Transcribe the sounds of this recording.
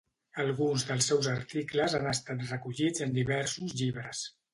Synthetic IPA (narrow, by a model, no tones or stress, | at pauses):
əlˠɣunzðəlˠsːɛwzəɾt̪ikləzanəst̪at̪rəkuʎid͡zənd̪iβɛɾsuzʎiβɾəs